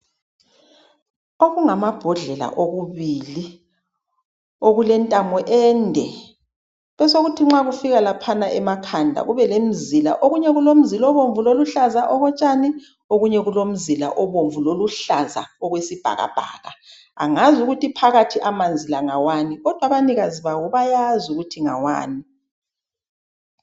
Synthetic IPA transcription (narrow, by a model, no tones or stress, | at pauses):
oɣuŋamab̥ʱɔɮɛla̰ʔoɣuβiːli | oɣulɛntʼamɔʔɛːndʱɛ | βɛsoɣutʰiŋ͡ǁaɣufiɣalapʰanaʔɛmakʰandʱa̰ɣuβɛlem̩zila̰ʔoɣuɲɛɣulom̩zilɔβoɱvuloluɬazaʔɔɣɔt͡ʃʼani | oɣuɲɛɣulom̩zila̰ʔɔβoɱvuloluɬaza̰ɔɣwesib̥ʱa̰ɣa̰b̥ʱa̰ːɣa | a̰ŋazuɣutʰipʰaɣatʰiʔamand͡zʱilaŋawaːniɣɔd̥ʱwaβaniɣaziβawɔβajazuɣutʰiŋa̰wa̰ːni